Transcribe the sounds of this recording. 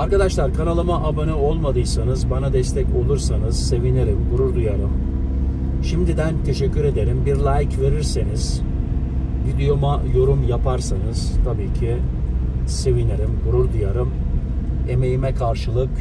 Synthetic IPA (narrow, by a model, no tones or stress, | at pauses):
aɾkad̪aʃlˠaɾkʰanalˠɯmaʔabanɯo̞lˠmad̪ɯjsanɯzbanad̪ɛst̪ʰɛco̞lˠuɾsanɯz̥se̞vineɾimɡuɾuɾd̪ujaɾɯm | ʃimd̪id̪ænt̪ʰe̞ʃɛcʰːyɾe̞d̪e̞ɾimbiɾlʲajcve̞ɾiɾseniz̥ | vid̪ejo̞majo̞ɾumjapʰaɾsanɯz̥t̪ʰabiːcʰi | se̞vineɾimɡuɾuɾd̪ujaɾɯm | e̞me̞jimɛkʰaɾʃɯlˠɯk